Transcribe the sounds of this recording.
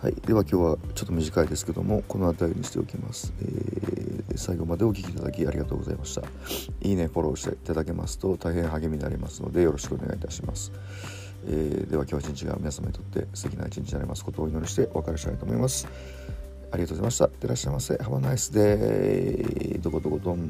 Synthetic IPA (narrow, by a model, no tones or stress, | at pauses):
ha̰id̪̥e̞βakʲo̞ːβat͡ɕo̞t̪ːomiʑikaid̪e̞sɨ̥ke̞d̪o̞̰mo̞ko̞no̞at̪aiɲ̟iɕit̪e̞o̞kʲima̰sɨ̥ḛː | saiɡo̞mad̪e̞o̞kʲi̥kʲiːt̪ad̪akʲiaɾiɡat̪o̞ːɡo̞za̰imaɕi̥t̪a̰ | iːne̞ɸo̞ɾo̞ːɕi̥t̪ḛit̪ad̪ake̞ma̰sɨ̥t̪o̞t̪ʰaiɦẽ̞ɰ̃ɦaɡe̞mʲina̰ɾʲimasɨno̞̰d̪e̞jo̞ɾo̞ɕi̥kɯ̟o̞ne̞ɡa̰it̪aɕima̰sɨ̥ | ḛd̪e̞βakʲo̞ːt͡ɕĩɲ̟t͡ɕiɡa̰mʲinasama̰ɲ̟it̪o̞t̪ːe̞̰sɨ̥t̪e̞kʲina̰it͡ɕĩɲ̟t͡ɕinaɾemʔasɨ̥ko̞t̪o̞ːino̞ɾʲiɕi̥t̪e̞βakaɾeɕi̥t̪a̰it̪oːmoimasɨ̥ | aɾʲiɡat̪ozaimaɕi̥t̪at̪eɾaɕːaimasehabanaisɨd̪e̞ | d̪o̞ko̞d̪o̞kod̪õn